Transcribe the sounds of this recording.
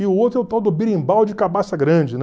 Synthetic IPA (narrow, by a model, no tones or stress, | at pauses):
ɪʊowt̪ɾɛwt̪awd̪obiɾẽj̃bawd͡ʒɪkabasɐɡɾɐ̃d͡ʒɪn